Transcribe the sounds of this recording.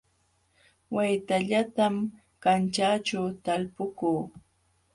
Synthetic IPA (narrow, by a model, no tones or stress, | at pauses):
wajt̪aʎat̪am | kant͡ʃaːt͡ʃawt̪alpʊkuː